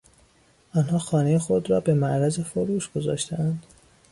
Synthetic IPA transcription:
ʔɒːnhɒːxɒːne̞jexo̞d̪ɾɒːbe̞mæʔɾæze̞foɾuːʃɡ̥o̞zɒ̰ːʃt̪ʰeʔænd̪̥

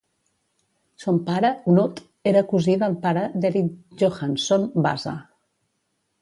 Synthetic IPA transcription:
sompaɾəunot̪ | eɾəkuziðəlpaɾəd̪ɛɾit̪ʒoxansonba̰za̰

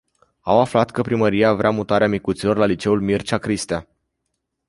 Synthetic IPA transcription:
awaflat̪kəpɾiməɾiavɾeamut̪aɾeamikut̪silo̞rlalit͡ʃe̞ulmirt͡ʃakɾist̪ea

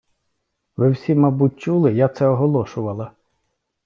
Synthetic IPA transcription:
ʋɪwsʲimɑbut̚ʲt͡ʃulˠɪjat̪sɛɔɦɔlˠɔʃʊʋɐlˠɐ

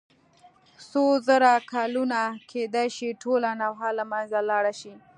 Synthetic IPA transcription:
sozəɾakɑlunakʰed̪ajʃiʈʰolanawɦalamanzalɑɽaʃi

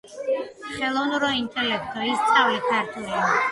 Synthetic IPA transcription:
χɛlˠɔvnuɾɔint̪ʰʼɛlɛkʰt̪ʰɔist̪sʼavlikʰaɾt̪ʰulia

